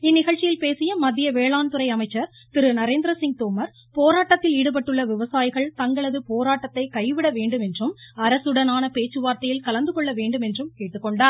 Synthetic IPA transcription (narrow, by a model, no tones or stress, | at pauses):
ɪnːɪɣɐɭt͡ʃːɪjɪlpeːsɪjɐmɐðɪjɐʋeːɭaːnt̪ɯɾɐɪɐmɐɪt͡ʃːɐɾ | t̪ɪɾɯnɐɾeːnd̪ɾɐsɪŋɡ̚t̪oːmɐɾ | poːɾaːʈːɐt̪ːɪliːɽɯp̬ɐʈːɯɭːɐʋɪʋɐsaːjɪɣɐɭt̪ɐŋɡɐɭɐðɯpoːɾaːʈːɐt̪ːɐɪkɐɪʋɪɽɐʋeːɳɖɯmɛndrɯmɐɾɐsɯɽɐnaːnɐpeːt͡ʃːɯʋaːɾt̪ɐjɪlkɐlɐnd̪ɯkɔɭːɐʋeːɳɖɯmɛndrɯmkeːʈːɯkːɔɳɖaːɾ